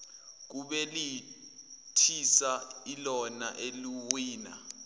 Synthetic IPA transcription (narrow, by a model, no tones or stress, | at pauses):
k̬uɓɛli | tʰisailɔna̰ʔeliwiːna̰